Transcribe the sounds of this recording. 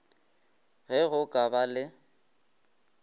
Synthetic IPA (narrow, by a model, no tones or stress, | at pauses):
ɣɛɣʊkʼabalɪ